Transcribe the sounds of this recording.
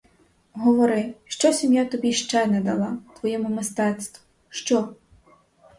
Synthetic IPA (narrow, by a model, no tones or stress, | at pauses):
ɦɔʋɔɾɪʃt͡ʃɔsʲimjat̪ɔbʲiʃt͡ʃɛnɛd̪ɐlˠɑt̪ʋɔjɛmʊmɪst̪ɛt̪st̪ʋʊ | ʃt͡ʃɔ